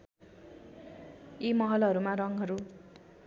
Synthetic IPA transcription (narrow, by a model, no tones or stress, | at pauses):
imʌɦʌlɦʌɾumarʌŋɦʌɾu